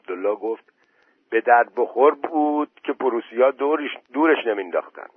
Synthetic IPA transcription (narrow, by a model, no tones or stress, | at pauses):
bd̪olːɒːɡoft̪̚ | b̥e̞d̪æɾd̪̚boxo̞ɾbuːd̪̥cʲʰe̞pʰoɾuːsijɒːd̪ɾd̪uːɾeʃne̞mind̪ɒ̰ːxt̪æ̰nd̪̥